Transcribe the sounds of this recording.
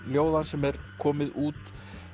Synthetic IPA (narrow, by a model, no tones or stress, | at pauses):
ljoːwðansɛmɛɾkʰɔːmɪðuːt̪